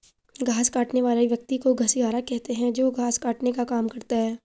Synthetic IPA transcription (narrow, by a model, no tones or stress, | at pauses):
ɡʱaːskaːʈneʋaːliʋjɐk̚t̪ikoɡʱɐsiɦaːɾakɛɦt̪eɦɛ̃d͡ʒoːɡʱaːskaːʈnekakaːmkɐɾt̪aɦɛː